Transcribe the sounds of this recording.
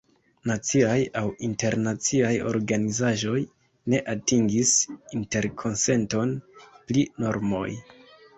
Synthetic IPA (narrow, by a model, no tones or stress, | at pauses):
nat͡siajawinte̞ɾnat͡siajo̞̰ɾɡanizaʒo̞j | ne̞ʔatiŋɡisinte̞ɾkʰo̞nse̞nto̞nplino̞ɾmo̞̰j